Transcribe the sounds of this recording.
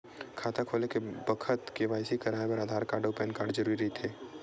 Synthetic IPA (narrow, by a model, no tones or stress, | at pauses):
kʰaːt̪akʰoːlekebəkʰət̪keʋaːjsikɐɾaːebəɾaːd̪ʱaːɾkaːɾɖoːpɛːnkaːɾɖd͡ʒɐɾuːɾiɾəɦit̪ʰeː